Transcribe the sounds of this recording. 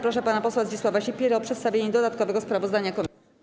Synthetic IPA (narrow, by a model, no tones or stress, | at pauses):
pɾɔʂɛpanapɔswazd͡ʑiswavaɕipʲjɛɾɔpʂɛt̪st̪avʲjeɲɛd̪ɔd̪at̪kɔvɛɡɔspɾavɔzd̪aɲakɔmʲ